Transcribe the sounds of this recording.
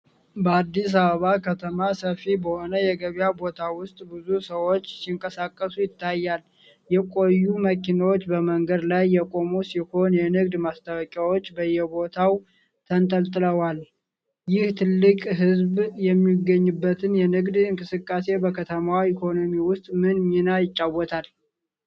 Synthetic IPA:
bəad̪ːis̬aβəβakʰət̪ʰəmasəfibəho̞nəjɛɡəβjabo̞t̪ʰawʊst̪ʼbɨzusəwo̞t͡ʃːsiŋkʼəsakʼːəsujɪt̪ʰːajːal | jɛkʼo̞jːuməkinawot͡ʃːbəməŋɡəd̪lajːɛkʼo̞musiho̞njɛnɨɡd̪mast̪ʰawɔkʼjawo̞t͡ʃːbəjːɛbo̞t̪ʰaw | t̪ʰənt̪ʼəlt̪ʼɨləwal | jɪht̪ʰɨlːɨkʼɦɨzbjɛmːiɡəɲːubːət̪ʰɨnjɛnɨɡd̪ɨŋkʼɨsɨkʼːase̞bəkʰət̪ʰəmawikʰo̞no̞miwʊst̪ʼmɨnminajɪt͡ʃʼːawɔt̪ʰal

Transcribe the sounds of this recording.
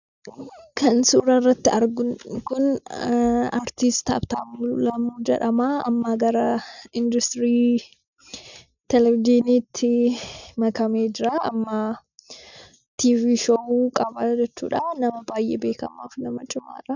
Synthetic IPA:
kʰɐnsuːɾɐrːɐt̪ːɪɐɾɡʊnkʊn | aɾt̪ɪst̪ɐ̰bt̪a̰ːmulɐmuːd͡ʒɛ̰ᶑɐmaːɐmːaɡɐɾɐɪnd̪ʊst̪ɾiː | t̪ɛlɛvɪd̪iːniːt̪ʰːɪmɐkɐmeːd͡ʒɪɾaːɐmːɐ | t̪iːviːʃouːkʼɐbad͡ʒɛt͡ʃːṵːᶑanɐmɐbaːjʔɛːbe̞ːkɐ̰maːfnɐmɐt͡ʃʼʊma̰ːɾɐ

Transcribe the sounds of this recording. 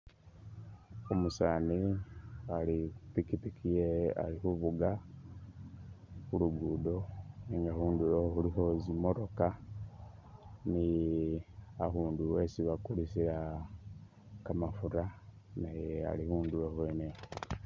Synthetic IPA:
omusaːni | alitikitikʰijea̰lixuβuɡa | xuluɡuːdo̞niːŋɡahuːndujoxuliho̞zimoɾoka | ni | ahuːnduwesiβakulisiɾa | kamafuɾa | najea̰lihuːnduwohweːne

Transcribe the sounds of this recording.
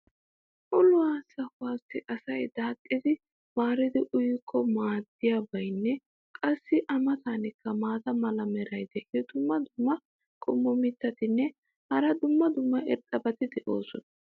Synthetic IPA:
ʔʊlʊwaːsɐhʊwaːsɪʔɐsɐjd̪aːt̪ʼːɪd̪ɪ | maːɾɪd̪ɪʔʊjkʰːɔmaːd̪ːɪjabɐjnːɛ | kʼɐsːɪʔɐmɐt̪anɪkːɐmaːt̪ɐmɐlɐmɛɾɐjd̪ɛʔɪjɔd̪̥ʊmːɐd̪ʊmːɐ | kʼɔmːɔmɪt̪ːɐt̪ɪnːɛ | hɐɾɐd̪ʊmːɐd̪ʊmːɐʔɛɾt̪ʼːɐbɐt̪ɪd̪ɛʔo̰ːsɔnɐ

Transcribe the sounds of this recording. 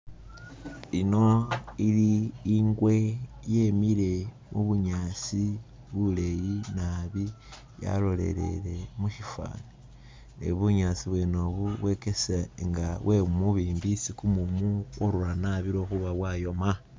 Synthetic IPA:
ino̞iliːŋɡwe̞je̞miɾe̞ | muβuɲaːt͡si | βule̞jinaβi | ja̰lo̞le̞̰le̞̰le̞muʃifa̰ni | nḛβuɲaːt͡siβwenoβuβwe̞keseŋɡawe̞umuβiːmbisikumumukoɾuɾanaβiɾo̞xuβaβwaːjo̞ma

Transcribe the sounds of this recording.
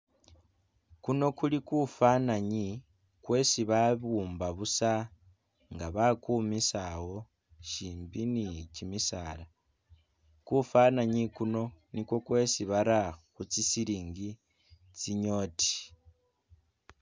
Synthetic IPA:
kuno̞kulikufanaɲi | kwe̞siβaβuːmbaβusa | ŋɡaβakumisawo̞ | ʃiːmbinicimisaːla | kufanaɲikuno̞nikwo̞kwe̞siβaɾaxut͡sisiɾiːŋɡi | t͡siɲo̞ːti̥

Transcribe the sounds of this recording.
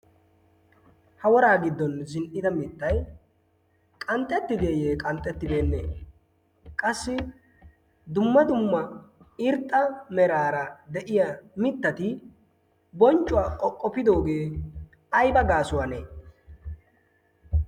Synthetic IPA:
hɐwɔɾaːɡɪd̪ːɔnzɪnʔɪd̪ɐmɪt̪ːɐj | kʼɐnt̪ʼːɛt̪ːɪd̪eːjeːkʼɐnt̪ʼːɛt̪ːɪb̪e̞ːnːḛː | kʼɐsːɪ | d̪ʊmːɐd̪ʊmːɐɪɾt̪ʼːɐmɛɾaːɾɐd̪ɛʔɪjamɪt̪ːɐt̪ɪ | bɔnt͡ʃʼːʊwaːkʼɔkʼːɔpːɪd̪o̞ːɡe̞ː | ɐjbɐɡaːsʊwɐneː

